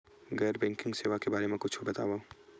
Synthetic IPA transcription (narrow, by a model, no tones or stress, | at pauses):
ɡɛːɾbɛ̃ːŋkɪ̃ŋɡseːʋakebaːɾemẽkʊt͡ʃʰobɐt̪a̰ːʋoː